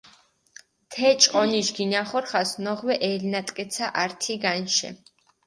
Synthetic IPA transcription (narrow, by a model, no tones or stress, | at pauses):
t̪ʰɛt͡ʃʼɔniʃɡinaχɔɾχasnɔʁwɛʔɛlnat̪ʼkʼɛt̪sʰaʔaɾt̪ʰiɡanʃɛ̰